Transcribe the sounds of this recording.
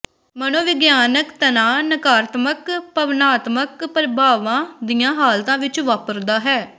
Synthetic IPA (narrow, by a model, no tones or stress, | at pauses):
mənõːʋɪɡjaːnəkt̪ənaːnəkaːɾt̪məkpəʋnaːt̪məkpɾɪbʱaːʋãːd̪iːãːɦaːlt̪ãːʋɪt͡ʃʋaːpəɾd̪aːɦɛː